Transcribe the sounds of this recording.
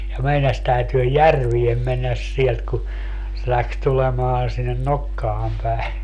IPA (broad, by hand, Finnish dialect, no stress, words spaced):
jɑ meinɑs tæytyø jærʋiem menːæs sielt ku se læks tulemɑːn sinːen nokːɑːm pæi̯